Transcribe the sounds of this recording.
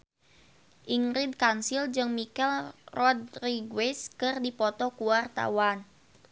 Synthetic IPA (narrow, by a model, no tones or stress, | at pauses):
ʔiŋɾid̪̚kansild͡ʒɨŋmikɛlrɔd̪̚riɡwɛskɨrdipɔt̪ɔkuart̪a̰wan